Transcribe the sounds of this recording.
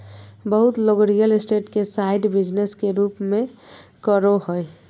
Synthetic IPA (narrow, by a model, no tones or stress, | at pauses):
bəɦut̪loɡɾijəlesʈeʈkesaɪɖbid͡ʒneskeɾuːpmẽkəɾoɦoj